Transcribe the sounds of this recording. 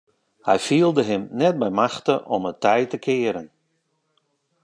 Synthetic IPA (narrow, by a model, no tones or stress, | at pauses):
hɛjfiːəlˠdəɦɪmnɛt̚bɛjmaxtəʔɔmətʰɛjtəkʰɪəɾən